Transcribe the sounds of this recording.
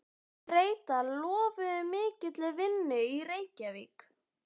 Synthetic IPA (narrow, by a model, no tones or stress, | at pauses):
reːjt̪alɔːvʏðʏmɪːcɪt̪lɪvɪnːʏiɾeːjcavḭːk